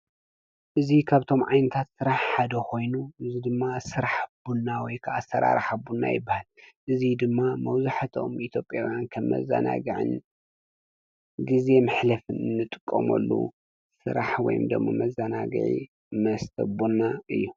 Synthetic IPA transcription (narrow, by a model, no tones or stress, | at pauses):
ʔɨzikʰaβt̪ʰo̞mʕajnɐt̪ʰat̪sɨɾaħħad̪ɐkʰo̞jnuʔɨzid̪ɨmːasɨɾaħbunːawɔjkʰaʔasɐɾa̰ɾaħabunːa̰jɪbːahalʔɨzid̪ɨmːamɐwzaħat̪ʰo̞̰mʔit̪ʰjo̞pʼjawjankʰɐmːɐ̰za̰na̰ɡɨʕɨ̰n | ɡize̞mɨħlɐfɨnɨnːɨt̪ʼɨkʼːɐ̰mɐ̰lːṵ | sɨ̰ɾaħwɔ̰jṵmd̪ɐmːɐ̰mɐzːanaɡɨ̰ʕḭ | mɐst̪ʰɐ̰bunːaɨ̰jːu